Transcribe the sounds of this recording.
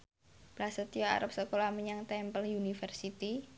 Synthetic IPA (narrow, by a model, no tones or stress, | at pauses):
b̥ɾasət̪ioa̰ɾap̚səkolamiɲaŋt̪ɛmpəljunifərsit̪i